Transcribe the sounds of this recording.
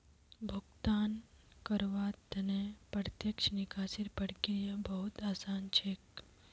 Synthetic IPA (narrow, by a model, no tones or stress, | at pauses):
bʱuɡt̪aːn | kəɾʋat̪ɐnepəɾt̪jəkʃnikaːsiɾpəɽkiɾjəbɐɦut̪aːsaːnt͡ʃʰek